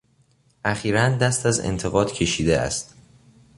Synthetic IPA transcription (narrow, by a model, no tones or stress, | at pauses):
ʔæχiːɾænd̪æst̪æzḛnt̪ʰe̞ɣɒːd̪̥cʰe̞ʃiːd̪eæ̰st̪